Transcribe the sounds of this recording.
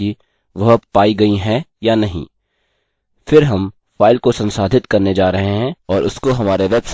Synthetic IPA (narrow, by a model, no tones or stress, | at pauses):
i | ʋɐɦpaːiɡɐiɦɛjanɐɦḭ̃ː | fɪɾɦɐm | faːɪlkosɐ̃nsaːd̪ʱɪt̪kɐɾned͡ʒaːɾɐɦeɦɛ̃ɔːɾʔʊskoɦɐmaːɾeʋeːbs